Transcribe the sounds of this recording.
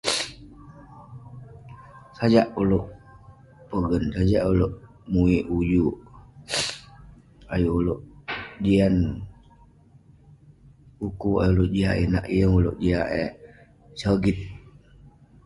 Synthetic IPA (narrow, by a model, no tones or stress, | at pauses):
sad͡ʒaʔuloʔ | pəɡənsad͡ʒaʔuloʔ | muiʔud͡ʒuʔ | ajuuloʔd͡ʒian | ukua̰juloʔd͡ʒiaʔḭna̰ʔiəŋulo̰ʔd͡ʒiaʔe | səɡit̪̚